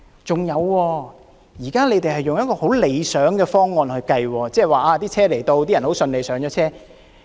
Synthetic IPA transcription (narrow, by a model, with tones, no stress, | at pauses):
t͡sʊ˨ŋjɐ˨˧wːɔː˧ | jiː˨˩kaː˥le˨˧jt̪e˨jhɐ˨˩jːʊ˨ŋjɐ˥t̚kɔː˧ho˨˥wle˨˧jsœː˨˥ŋkɛː˧fɔː˥ŋːɔː˨˧nhɵ˧ɥkɐ˧jwɔː˧t͡sɛː˥˩waː˨ʔaː˧t̪iː˥t͡sʰɛː˥le˨˩jt̪o˧wt̪iː˥jɐ˨˩nho˨˥wsɵ˧nle˨˧jsœː˨˥ŋt͡ʃɔː˨˥t͡sʰɛː˥